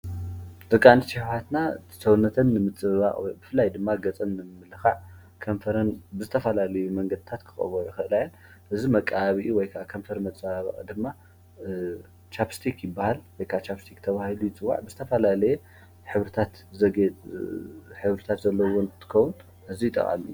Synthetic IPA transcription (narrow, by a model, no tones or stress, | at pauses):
d̪ɐkʼːanit͡ʃɪħhat̪nḁ | sɐwnːɐt̪ʰɐnːɨmɨt͡sʼɨββa̰ʔʼwɔjbɨfɨlːajd̪ɨmːaɡɐt͡sʼɐnːɨmmɨlɨxaʕ | kʰɐmfɐɾɐnbɨzɨt̪ʰɐfɐlalɐjumɐŋɡɐd̪ɨt̪ʰat̪kʰɨ̥xʼɐ̰βoʕuɛxɨʔɨlajɐn | ʔɨzimɐkʼːaaβiʔiwɔjkʰakʰɐmfɐɾmɐt͡sʼɨβaβa̰ʔʼd̪ɨmːa | t͡ʃapst̪ʰikjɪbːahalwɔjkʰat͡ʃapst̪ʰikt̪ʰɐβahilujɪt͡sʼɨwːa̰ʕbɨzɨt̪ʰɐfɐlalɐjɛ | ħɨβɾɨt̪ʰat̪ | zɐɡe | ħɨβɾɨt̪ʰat̪zɐlːɐwɔnt̪ʰɨ̥kɐwun | ʔɨzijɪt̪ʼɐ̰χʼa̰mḭjːu